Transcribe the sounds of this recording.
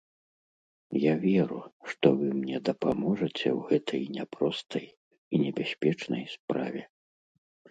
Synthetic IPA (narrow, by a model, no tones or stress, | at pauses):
javʲɛɾuʂt̪ɔvɨmnʲɛd̪ɐpamɔʐɐt͡sʲɛ̰wɣɛt̪ʰɐjnʲɛpɾɔst̪ɐj | inʲɛbʲasʲpʲɛt͡ʂnɐjspɾa̰vʲɛ